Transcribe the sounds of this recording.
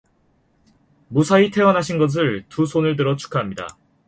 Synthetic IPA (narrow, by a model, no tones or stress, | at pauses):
musʰaitʰe̞wʌnɦaɕʰinɡʌs̬ɯɭtusʰonɯɭtɯɾʌt͡ɕʰu̥kʰaɦamɲida̰